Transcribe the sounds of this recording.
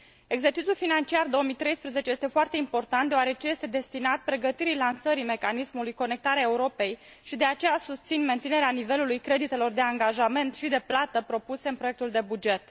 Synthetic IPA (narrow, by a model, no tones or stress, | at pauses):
e̞ɡze̞rt͡ʃit̪sʲulfinant͡ʃiard̪o̞omijt̪ɾe̞jspɾeze̞t͡ʃe̞je̞st̪e̞foart̪e̞impo̞rt̪ant̪d̪eoaɾe̞t͡ʃeje̞st̪ed̪e̞st̪inat̪̚pɾe̞ɡət̪iɾilansəɾime̞kanismulujko̞ne̞k̚t̪aɾeaeuɾo̞pe̞j | ʃid̪e̞at͡ʃe̞jasust̪sinment̪sine̞ɾeanive̞lulujkɾe̞d̪it̪e̞lo̞rd̪e̞aŋɡaʒame̞nt̪ʃid̪e̞plat̪əpɾo̞puse̞ɨnpɾo̞je̞k̚t̪uld̪e̞bud͡ʒe̞t̪